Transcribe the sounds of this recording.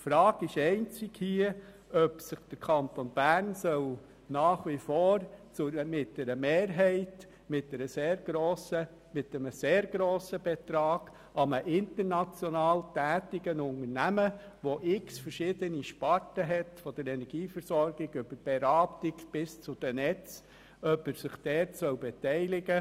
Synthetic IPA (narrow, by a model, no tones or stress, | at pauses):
fɾɑːɡ̥ɪʃɛɪnt͡sɪɡhiə | œpsɪχd̥əɾkʰɑntonb̥æːɾnsœl | nɑːχʋifoːɾt͡sʊmɪt̚dɛɾəmeːɾɦɛɪt | mɪt̚dɛɾəseːɾɡ̥ɾoːsə | mɪtːəməseːɾɡ̥ɾoːsəb̥ɛt̪ɾɑːɡ̥ | ʔɑməʔɪntəɾnɑt͡sjɔnɑːltæːtɪɡənʊŋəɾnæmə | ʋoʔɪksfəɾʃɪd̥̪əniʃpɑɾtəɦɛtfɔd̥̪əɾɛnɛɾɡ̥iːfəɾsɔɾɡ̥ɪɡyb̥əɾb̥ɛɾɑːptɪkb̥ɪst͡sʊd̥̪ənɛt͡s | œpəɾsɪχd̥̪ɛːtsœwbɛtɛɪlɪɡə